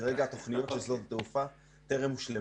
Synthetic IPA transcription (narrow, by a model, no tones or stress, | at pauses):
aʁeɡaːt̪o̞χnijo̞t̪ʃezlo̞tat̪eufa | t̪eʁemuʃle